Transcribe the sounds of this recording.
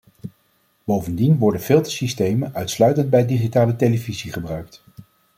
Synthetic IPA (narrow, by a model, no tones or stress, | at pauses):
bowvəndinʋɔɹdənfɪlˠtə̥sistejmənœɥtslœɥtənd̚bɛjdiχitaːlətejləviziχəbrœɥk̚t